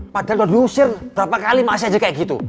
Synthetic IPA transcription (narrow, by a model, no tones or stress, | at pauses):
pad̥at̪ɔdusɪrb̥ɾapakalimasiad͡ʒakajaɡit̪ṵ